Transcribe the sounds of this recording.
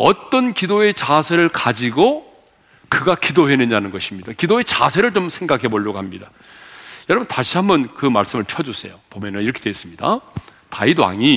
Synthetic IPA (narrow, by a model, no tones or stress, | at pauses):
ʌt͈ʌnkidoe̞t͡ɕasʰe̞ɾɯɭkad͡ʑiɡo | kɯɡakidoɦe̞nɯɲanɯnɡʌɕʰimɲid̥akidoe̞t͡ɕasʰe̞ɾɯɭt͡ɕomsʰe̞ŋɡakʰe̞boʎːʌɡoɦamɲida | jʌɾʌbɯntaɕʰiɦambʌnkɯmaɭs͈ɯmɯɭpʰjʌd͡ʑus͈ʰe̞̰jopomjʌnɯniɾʌkʰed̥ees͈ɯmɲida̰taidwa̰ŋi